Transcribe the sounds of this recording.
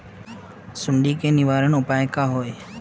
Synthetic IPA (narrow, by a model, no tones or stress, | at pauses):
sʊɳɖiːkʰeːnɪʋaːɾəɳʊpaːjkaːɦoːeː